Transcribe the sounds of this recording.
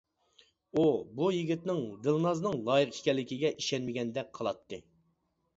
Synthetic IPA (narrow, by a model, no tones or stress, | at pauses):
ubujiɡʲit̪nɪŋd̪ɨlˠnɑznɨŋlˠɑːjɨqiʃkʲɛlːɪkʲiɡʲɛʔiʃɛnmɪɡʲɛnd̪ɛk̚ʲqʰɑlˠɑt̪ʰːɨ